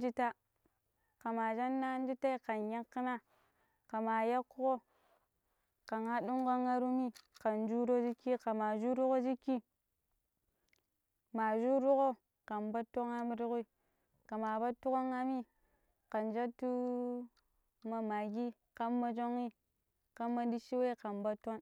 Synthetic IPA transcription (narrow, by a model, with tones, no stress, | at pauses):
d͡ʒi˦ta˦ | ka˨ma˨d͡ʒa˦nːa˦n˦d͡ʒi˦ta˦i˦ka˨nja˦kːi˦na˦ | ka˨ma˨ja˦kːu˦ko˦ | ka˨ŋa˦ɗu˦ŋɡo˦ŋa˦ɾu˦mi˦ka˨n˦d͡ʒu˦ɾo˦d͡ʒi˦ki˦ka˨ma˨d͡ʒu˦ɾu˦ko˦d͡ʒi˦kːi˦ | ma˨d͡ʒu˦ɾu˦ko˦ | ka˨mba˦to˦ŋa˦m˦ɾu˦ku˦i˦ | ka˨ma˨ba˦tːu˦ko˦ŋa˦mi˦ | ka˨nd͡ʒa˦tu˦ | ma˨ma˨ɡi˦ | ka˦mːa˦d͡ʒo˦ŋi˦ | ka˦mːa˦di˦ʃi˦we˦ka˨mba˦to˦n